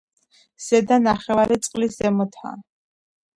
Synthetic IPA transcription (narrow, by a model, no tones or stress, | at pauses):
z̥ɛd̪anaχɛvaɾit̪sʼqʼliszɛmɔt̪ʰa̰ː